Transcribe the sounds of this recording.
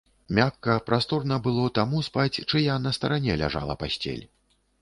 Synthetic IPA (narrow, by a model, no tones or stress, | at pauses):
mʲakːɐpɾast̪ɔrnɐbɨlˠɔt̪amuspat͡sʲt͡ʂɨjanɐst̪ɐɾanʲɛlʲa̰ʐa̰lˠɐ̰pasʲt͡sʲɛ̰lʲ